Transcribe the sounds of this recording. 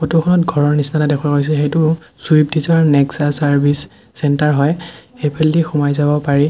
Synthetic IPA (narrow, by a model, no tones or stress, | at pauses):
kotukʰɔnɔtɡʱɔɹɔɹnisnatadɛkʰwaɡojs̬ɛxejtʊsuip̚dizɔɹnɛksasaɹbʱisː | ɛntaɹɦɔjepʰelːixumajzabɔpaɹi